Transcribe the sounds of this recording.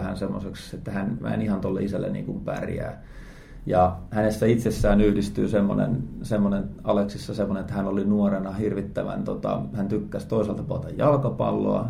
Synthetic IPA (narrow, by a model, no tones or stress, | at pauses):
hænsemːosekset̪ːæhænmæ̰nihɑnt̪olːḛisælːḛnḭːŋkumpæ̰rjæ̰ː | jɑhænesːæit̪sesːæːnyhdist̪y̰ːsemːo̰nḛnsemːonenɑleksisːɑsemːonenet̪ːæhænolinuorenɑhirʋit̪ːæʋæ̰nt̪ot̪ɑ̰hænt̪ykːæst̪oiselt̪ɑpuɑt̪ɑjjɑlkɑpɑ̰lːo̰ɑ̰